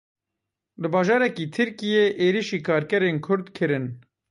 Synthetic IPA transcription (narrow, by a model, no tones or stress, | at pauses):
lɨbɑːʒɑːɾɛkiːt̪ʰɨɾkijeːʔeːɾiʃiːkʰɑːɾkɛɾeːnkʰʊɾd̪kʰɨɾɨn